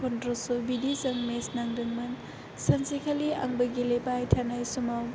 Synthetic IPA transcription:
kʰɔndɾɔsubidizɐŋmesnaŋdɯŋmɐn | sɐnsikʰalia̰ŋbɐɡilepajtʰanajsumaw

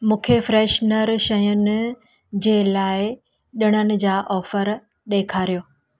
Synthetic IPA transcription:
mũːkʰefɾeːʃnəɾʃɐjʊnɪ̆ | d͡ʑeːlaːɪ | ɗɪɽ̃ənɪ̆d͡ʑaːʔɔːfəɾ | ɗeːkʰaːɾijoː

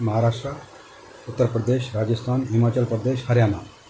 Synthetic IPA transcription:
mɐɦaːɾaːʂʈɾə | ʊt̪ːəɾpɾəd̪eːʃɾaːd͡ʒəst̪ʰaːnɦimaːt͡ʃəlpɾəd̪eːʃhɐɾjaːna

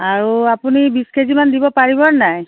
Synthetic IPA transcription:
aɹuapunibiskezimandibɔpaɹibɔnaj

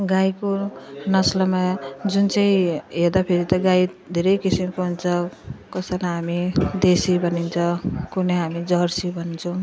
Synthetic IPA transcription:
ɡajkonʌslʌmad͡zunt͡sʌĩɦed̪apʰeɾit̪ʌɡaj | d̪ʱeɾʌjkisimkoɦunt͡sʰʌkʌsʌlaɦamid̪esibʱʌnint͡sʰʌkunʌɦamid͡zʌrsibʱʌnnt͡sʰʌw

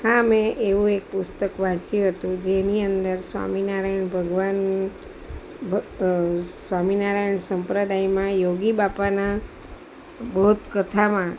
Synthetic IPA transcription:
hãmẽʔeʋũek̚pʊst̪əkʋãt͡ʃjũɦət̪ũd͡ʒeniənd̪əɾsʋa̰minaɾajɳbʱəɡʋan | bʱ | sʋaminaɾajɳsəmpɾəd̪ajmãjoɡibapana | bəɦut̪kət̪ʰamã

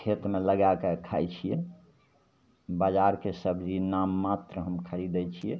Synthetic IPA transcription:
kʰet̪meləɡakekʰajt͡ʃʰijɛ | bad͡ʒaɾkesəbʱd͡ʒinamːat̪ɾəɦəmkʰəɾid̪ɛt͡ʃʰijɛ

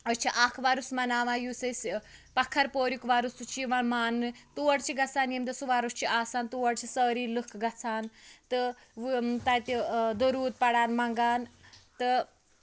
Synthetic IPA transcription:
ɐst͡ʃʰiʔaːkʰʋaːɾusmɐnaːʋãːjuːsɐsʲpɐkʰːɐɾpoːɾjukʋaːɾust̪ut͡ʃʰiʋaːnmaːnɨt̪uʋɐɽt͡ʃʰiɡɐt͡saːnjemt̪ɐsuʋaːɾust͡ʃʰiʔaːsaːnt̪uʋɐɽt͡ʃʰisəːɾiːlɨkʰɡɐt͡sʰaːnt̪ɨ | ʋt̪ɐjt̪id̪oɾuːt̪̚pɐɽaːnmɐŋɡaːnt̪ɨ

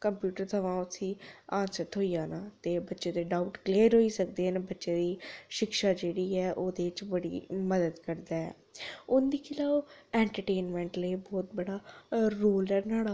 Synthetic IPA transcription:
kəmpjuːʈəɾt̪əʋãːʊt̪ʰːĩːãːnsəɾt̪ɦoːijaːnaːt̪eːbətːʃeːd̪eːɖaːuʈkleːɾɦoːiːsək̚d̪eːneːbətːʃeːd̪iːʃɪkʃaːd͡ʒeːɽiːɛːʔoːd̪eːt͡ʃbəɽḭːməd̪əd̪kəɾd̪aːɛ̰ː | ʊnd̪iːkʰɪlaːɛ̃ːɳʈəɾʈeːnmɛ̃ːɳʈləibɔːt̪̚bəɽaːɾoːlɛːnaːɽaː

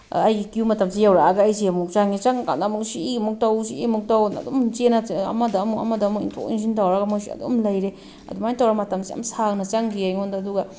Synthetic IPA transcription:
ajɡikiumatamsijawɾaɡaːjs̬iamuk̚t͡ʃaŋit͡ʃaŋka̰namuŋsiiɡimuk̚tawsiimuk̚tawna̰d̪omt͡ʃenaa̰madaːmuŋa̰madamukḭntʰo̰kḭns̬intawɾaɡamusia̰d̪o̰mlɐjɾe | ɐ̰duŋajntawɾamatamsia̰msaŋ̚nat͡ʃaŋɡiajŋɔndaːd̪uɡa

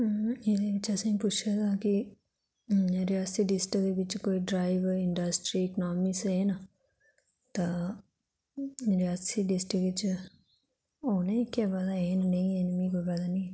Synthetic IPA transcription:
ed̪eʋɪt͡ʃəsãːpʊt͡ʃʰat̪aːki | ɾijaːsiːɖɪsʈəd̪eʋɪt͡ʃkoːiːɖɾaːɪʋəɾɪɳɖəsʈɾiːɪknɔːmɪsɦeːna | t̪a | ɾijaːsiɖɪsʈikɪt͡ʃ | oːnekɛːbad̪aeːnnɐ̃ĩenmĩːkoːibad̪anĩːɦɛː

